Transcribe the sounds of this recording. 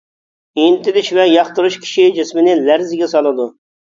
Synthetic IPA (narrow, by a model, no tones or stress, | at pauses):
int̪ɪd̪ɪʃvɛjɑχt̪ɨɾuʃkʲʰi̥ʃid͡ʒɪsmɪnɪlæɾzɪɡʲɛsɑlˠɨd̪u